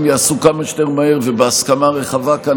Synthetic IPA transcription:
mjaːsukamaʃteʁmaheʁvebeaskamaʁeχavaka

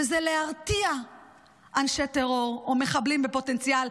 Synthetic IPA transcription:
ezeleaʁt̪ia | ʔanʃet̪eʁo̞ʁome̞χablimbepo̞t̪e̞nt͡sial

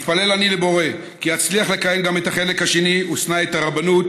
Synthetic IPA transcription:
t̪pale̞lanile̞bo̞ʁe̞ | kiat͡sliaχle̞kaje̞mɡame̞t̪aχe̞le̞khaʃe̞niʔusnae̞t̪aʁabanut̪

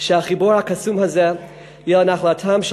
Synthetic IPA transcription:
ʃɛaχiboɹhakasumhazɛ | jɛlanaχlatʰamʃ

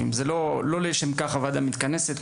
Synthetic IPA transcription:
ḭmzelo̞lo̞leʃemkaχavad̪amit̪kaneset̪

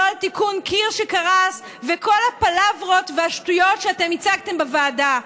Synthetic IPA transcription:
alt̪ikunkʰiʁʃekaʁas | veko̞lhapalavʁo̞t̪veaʃtujo̞tʃeatemit͡saɡ̚t̪e̞mbevaːda

